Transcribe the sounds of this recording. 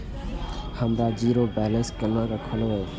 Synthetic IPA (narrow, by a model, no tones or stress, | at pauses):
həmɾad͡ʒiːɾobɛːlə̃nskənːãɾəkʰəloe